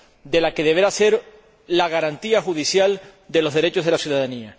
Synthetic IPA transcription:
d̪e̞lake̞ðe̞βeɾase̞ɾ | laɣaɾant̪iaxuð̞isjald̪e̞lo̞zðe̞ɾe̞t͡ʃozð̞e̞lasjuðaðania

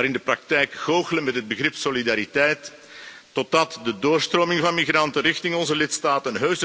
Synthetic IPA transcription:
aːɾɪndəprɑk̚tɛjkɣoːɣələnmɛtɦəd̚bəɣrɪpsolidaːɾitɛjtː | ɔtɑtdədoːrstroːmɪŋvɑnmiɣrɑntənrɪxtɪŋɔnzəlɪtstaːtənɦøːɥz

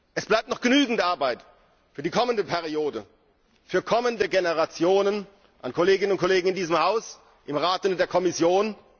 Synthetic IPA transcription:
ʔɛsb̥laɪp̚tnɔχɡ̥ənyːɡŋ̩tʔaɐbaɪt | fyːɐdiːkʰɔməndəpʰɛʁioːdə | fyːɐkʰɔməndəɡenəʁat͡sjoːnən | ʔankʰoleːɡɪnənʊnt̚kʰoleːɡŋ̩ɪndiːzəmhaʊs | ʔɪmʁaːtʊntd̥eːɐkʰɔmɪsjoːn

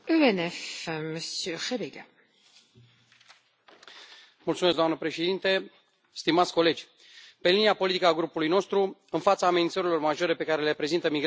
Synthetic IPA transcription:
yɛnɛfməsjøʁebeɡa | mult̪sumesɡd̪oanəpɾe̞ʃe̞d̪int̪e̞ | st̪imat̪sʲko̞le̞d͡ʒʲ | pe̞liniapo̞lit̪ikəaɡɾupulujno̞st̪ɾuɨnfat̪saːmenint̪səɾilo̞rmaʒo̞ɾe̞pe̞kaɾe̞le̞pɾe̞zint̪əmiɡɾ

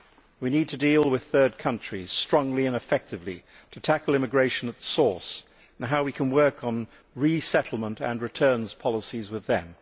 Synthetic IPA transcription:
winid̚tʰɨdilˠwɪð̥θɜ˞d̚kʰʌ̃nt͡ʃɹ̥iz̥stɹ̥ɒ̃ŋliɨ̃nɨfɛk̚tɨvlḭ | ɾʰɨtʰækl̩ˠɪ̃mɨɡɹeɪʃɨ̃nət̪̚ðə̥sɔɹs | n̩ɦaʊwikʰə̃nwɜ˞kn̩ | ɹisɛɾl̩ˠmə̃ntɨ̰̃nɹɨtʰɜ̃˞nz̥pʰɑlˠəsizwɨðɨ̰̃m

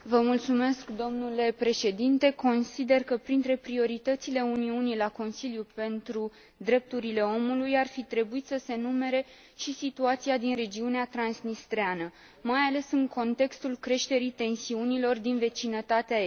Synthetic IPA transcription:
vəmult̪sume̞skd̪o̞mnule̞pɾe̞ʃe̞d̪int̪e̞ko̞nsid̪e̞rkəpɾint̪ɾe̞pɾio̞ɾit̪ət̪sile̞uniunilako̞nsiljupe̞nt̪ɾu | d̪ɾe̞p̚t̪uɾile̞o̞mulujarfit̪ɾe̞buit̪səse̞nume̞ɾe̞ | ʃisit̪uat̪siad̪inre̞d͡ʒiuneat̪ɾansnist̪ɾeanə | majale̞sɨŋko̞nt̪e̞kst̪ulkɾe̞ʃt̪e̞ɾit̪e̞nsiunilo̞rd̪inve̞t͡ʃinət̪at̪eae

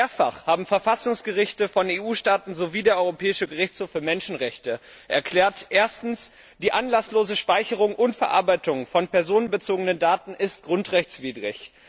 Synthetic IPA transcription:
eːɐfa̰χhaːbm̩fɛɐfasʊŋsɡ̥əʁɪçtəfɔneːʔuːʃtaːtn̩zoviːdeːɐʔɔʏʁopʰɛːɪʃəɡəʁɪçt͡shoːfːyːɐmɛnʃn̩ʁɛçtə | ʔɛɐkʰl̥ɛːɐtʔeːɐstn̩s | d̥iːʔanlasloːzəʃpaɪçəʁ̞ʊŋʔʊntfɛɐʔa̰ɐbaɪtʊŋfɔnpɛɐzoːnənbət͡soːɡənəndaːtn̩ʔɪst̚ɡ̥ʁʊntʁ̥ɛçt͡sv̥iːdʁɪ̰ç

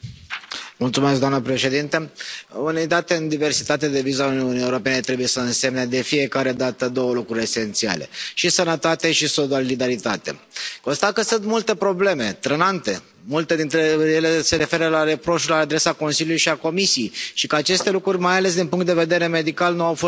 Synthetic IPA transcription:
mult̪sumes̬ɡd̪oamnəpɾe̞ʃe̞d̪int̪euned̪at̪e̞ɨnd̪ive̞rsit̪at̪ed̪e̞vizauniunijeuɾo̞pe̞net̪ɾe̞buje̞səɨnse̞mne̞d̪e̞fije̞kaɾe̞d̪at̪əd̪o̞wəlukɾuɾʲe̞se̞nt̪sia̰le̞̰ʃisənət̪at̪e̞ʃisolid̪aɾit̪at̪e̞̰ko̞nst̪akəsɨnt̪mult̪e̞pɾo̞ble̞me̞t̪ɾənant̪e̞ | mult̪e̞d̪int̪ɾejele̞se̞ɾe̞fe̞ɾəlaɾe̞pɾo̞ʃlaːd̪ɾe̞sako̞nsiljulujiʃiako̞misijejʃikəat͡ʃe̞st̪e̞lukɾurʲmajale̞sd̪inpuŋkt̪̚d̪e̞ve̞d̪e̞ɾe̞me̞d̪ikalnuawfo

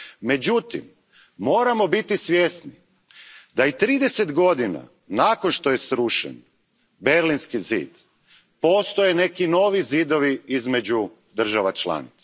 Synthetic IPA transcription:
me̞d͡ʑut̪ḭmː | o̞ːɾamo̞bit̪isʋjesni | d̪ait̪ɾiːd̪e̞se̞d̪ɡo̞d̪ina̰ | nakonʃt̪o̞je̞sɾuʃḛn | be̞ɾlinskizḭːd̪̥ | po̞ːst̪o̞jene̞kino̞ːʋizid̪o̞ʋiizme̞d͡ʑu | d̪r̩ʒaʋat͡ʃlˠa̰ːnit̪sa

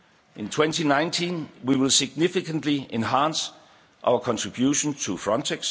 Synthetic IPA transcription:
ʔɪ̃ntʰw̥ɛ̃ntinãɪ̃ntʰĩnwiwɪlˠsɪɡ̥̚nɪfɪkʰə̃ndliẽnɦæ̃ns | ʔa̰ʊəkʰɒ̃ntʰɹ̥ib̥juʃə̃ntʰufɹɒ̃ntʰeɡ̥s

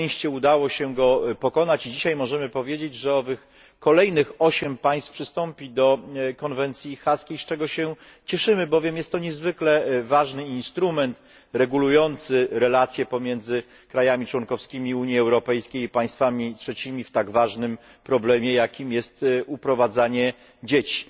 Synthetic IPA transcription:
ɕt͡ɕɛud̪awɔɕɛɡɔpɔkɔnat͡ɕid͡ʑiɕajmɔʐɛmɘpɔvʲjed͡ʑed͡ʑʐɛɔvɘx | kɔlɛjnɘxɔɕɛmpaj̃st̪fpʂɘst̪ɔmpʲid̪ɔkɔnvɛnt̪sʲjixaskʲejst͡ʂɛɡɔɕɛ | t͡ɕɛʂɘmɘbɔvʲjɛmjɛst̪ːɔɲɛzvɘklɛvaʐnɘinst̪ɾumɛnt̪ | ɾɛɡulujɔnt̪sɘɾɛlat̪sʲjɛpɔmʲjɛnd̪zɘ | kɾajamʲit͡ʂwɔnkɔfskʲimʲiuɲjiɛwɾɔpɛjskʲejipaj̃st̪famʲitʂɛt͡ɕimʲift̪aɡvaʐnɘm | pɾɔblɛmʲjɛjakʲimjɛst̪upɾɔvad̪zaɲɛ | d͡ʑet͡ɕi̥

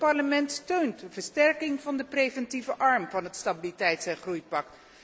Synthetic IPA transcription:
pɑɹləmɛntstøɥntvəɹstɛɹkɪŋvɑndəprejvɛntivəʔɑɹmvɑnɦətstabilitɛjtsɛnχrujpɑk̚t

